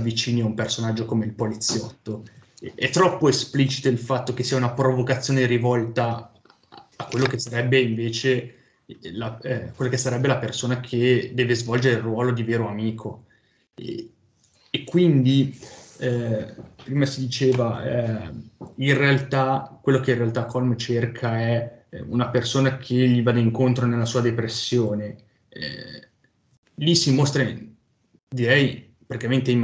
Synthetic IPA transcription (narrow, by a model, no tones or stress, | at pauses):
avːit͡ʃiːniaumpersonad͡ʒːokomeilpolit̪sːjɔt̪ːoɛt̪ːɾɔpːoesplit͡ʃi̥t̪oilfat̪ːok̟esːiːaunapɾovokat̪sːjoːneɾivɔlt̪aː | kːwelːokesːaɾɛbːeiɱveːt͡ʃe | lakwelːokesːaɾɛbːelapersoːnakʰed̪ɛːvezvɔld͡ʒeɾeilrːwɔːlod̪iveːɾoamiːkʰo̰ | ekːwind̪i | pɾiːmasid̪it͡ʃeːva | inrealt̪akwelːokeinrealt̪akːɔlmt͡ʃerkʰaɛṵnapersoːnakʰeʎːivaːd̪aiŋkont̪ɾonelːasuːad̪epɾesːjoːnḛ | lisimost̪ɾa | d̪iɾɛj | pɾaɾt̪ikament̪eim